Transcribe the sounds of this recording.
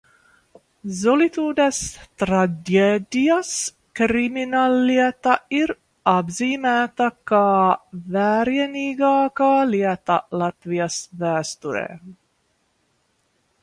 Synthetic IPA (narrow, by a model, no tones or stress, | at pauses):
zolit̪uːd̪ɛst̪ɾaɡed̪ijas | kɾiminalːiɛt̪ɐiɾ | ɑbziːmæːt̪ɐkɑːvæːɾjɛniːɡɑːkɑːliɛt̪a̰lɑt̪vijasvæːst̪uɾḛː